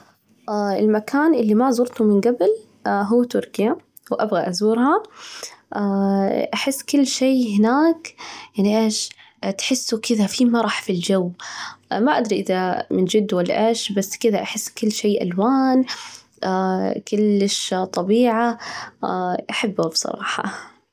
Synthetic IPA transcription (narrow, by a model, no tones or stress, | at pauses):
ʔːɪlmakʰaːnʔɪlːimazʊɾt̪ʊmɪnɡabl | ɦuːt̪ʊɾkɪja | wʔabɣaʔazuːɾha | ʔaʔaħɪsːkɪlːʃeːɦɪnaːkjaʕniʔeːʃ | t̪ħɪsːukɪðafiːmɑɾˤɑħfild͡ʒawːmaʔad̪ɾiʔɪðamɪnd͡ʒɪd̪ːwalːa̰ʔeːʃbasːkɪðaʔaħɪsːkʊlːʃeːʔa̰lwaːn | ʔakʊlːɪʃt̪ˤɑbiːʕa | ʔaħabːhabsˤɑ̰ɾˤɑ̰ːħɑ̰